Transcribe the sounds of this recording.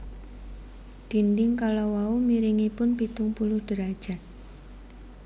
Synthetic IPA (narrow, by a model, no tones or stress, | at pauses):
d̪̥i̤ndɪŋkalɔwaumiɾiŋipʊnpit̪ʊŋpulʊhɖ̥əɾad̥ʒ̥a̤t̪̚